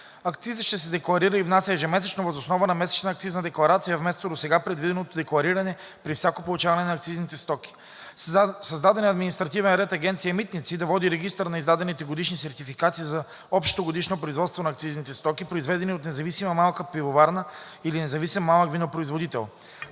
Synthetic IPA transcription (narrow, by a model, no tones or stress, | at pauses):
ɐkt̪sizəʃt̪ɛsɛd̪ɛklˠɐɾiɾəivnasʲəɛʒɛmɛsɛt͡ʃnovəzosnɔvənɐmɛsɛ̥t͡ʃnːkt̪siznəd̪ɛklˠɐɾat̪sijɐvmɛst̪od̪osɛɡapɾɛd̪vid̪ɛnot̪od̪ɛklˠɐɾiɾɐnɛ | pɾifsʲakopolˠut͡ʃavɐnɛnɐːk̚t̪siznit̪ɛst̪ɔkʲi̥ | sɐzd̪ad̪ɛnɐd̪minist̪ɾɐt̪ivɛnɾɛt̪ɐɡʲɛnt̪siɐmit̪nit̪sid̪ɐvɔd̪iɾɛɡist̪əɾnɐizd̪ad̪ɛnit̪ɛɡod̪iʃnisɛɾt̪ifikat̪iːzɐ | ɔpʃt̪t̪oɡod̪iʃnopɾoizvɔt̪st̪vonɐːk̚t̪siznit̪ɛst̪ɔkipɾoizvɛd̪ɛniot̪nɛzɐvisimɐmalˠkəpivovaɾnə | ilinɛzɐvisimːalˠəkvinopɾoizvod̪it̪ɛ̰lˠ